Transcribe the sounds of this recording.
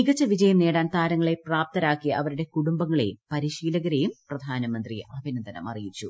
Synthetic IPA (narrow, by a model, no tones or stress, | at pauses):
iɡɐt͡ɕːɐʋid͡ʑɐjɐmne̞ːɽaːnt̪aːɾɐŋːɐɭepraːp̚t̪ɐɾaːkːijɐʔɐʋɐɾuɽe̞kuɽumbɐŋːɐɭḛjpɐɾiɕiːlɐɣɐɾejumprɐd̪ʱaːnɐmɐnd̪rḭɐbʱinɐnd̪ʱɐnɐ̰mɐ̰rijit͡ɕːu